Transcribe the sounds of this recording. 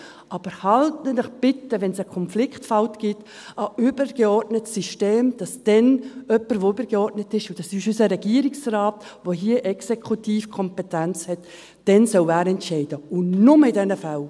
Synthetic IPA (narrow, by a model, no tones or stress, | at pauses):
ʔɑːb̥əɾhɑltənəχb̥ɪtəvɛnsəkʰɔnflɪkχtfɑltɡ̥ɪt | əybəɾɡ̥eɔɾtnətsiʃteːmd̥ɑsd̥ɛnœpːəɾʋoybəɾɡeɔɾtnətɪʃʊd̥ɑsyʃysəɾɛɡiəɾɪksraːtvoɦiəʔɛksekʰutiːfkʰɔmpɛtænt͡shɛt | d̥ɛnsœwæːɾɛntʃɛɪd̥əʊnnʊməɪdɛnəfal